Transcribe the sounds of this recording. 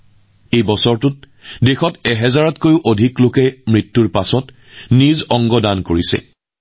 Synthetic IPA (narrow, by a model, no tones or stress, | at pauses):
ejbɔsɔɹtʊt̚ | dexɔtɛɦɛzaɹɔtkojʊʔodʱiklokɛmɹitːuɹpasɔt | nizɔŋɡɔdankoɹisɛ̰